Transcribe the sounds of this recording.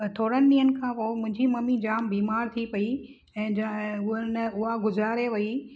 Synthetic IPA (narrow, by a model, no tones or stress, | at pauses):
t̪ʰoːɾənɪniːənɪ̆kʰãːpoːmʊ̃ɦɪ̃ɲd͡ʑimɐmid͡ʑaːmbiːmaːɾt̪ʰipɐi | ɛ̃ːd͡ʑʊɦənɪʊɦaɡʊzɾaːɾeʋɐi